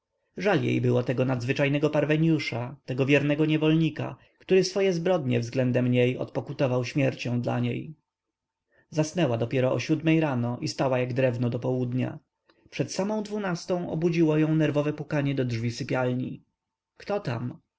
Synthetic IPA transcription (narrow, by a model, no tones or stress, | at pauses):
ʐaljḛjbɘwɔt̪ɛɡɔnad̪zvɘt͡ʂajnɛɡɔpaɾvɛɲjuʂat̪ɛɡɔvʲjɛɾnɛɡɔɲɛvɔlɲika̰ | kt̪uɾɘsfɔjɛzbɾɔd̪ɲɛ̰vzɡlɛnd̪ɛmɲejɔ̰t̪̚pɔkut̪ɔvawɕmʲjɛɾt͡ɕɔ̃w̃d̪la̰ɲḛj | zasnɛwad̪ɔpʲjɛɾɔɔ̰ɕud̪mɛjɾanɔʔist̪awajaɡd̪ɾɛvnɔd̪ɔpɔwud̪ɲa̰ | pʂɛt̪samɔ̃w̃d̪vunast̪ɔ̃w̃ɔ̰bud͡ʑiwɔjɔ̃w̃nɛɾvɔvɛpukaɲɛd̪ɔdʐvʲisɘpʲjalɲi | kt̪ɔt̪a̰m